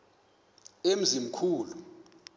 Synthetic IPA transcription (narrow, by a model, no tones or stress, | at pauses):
em̩zimukʰuːlu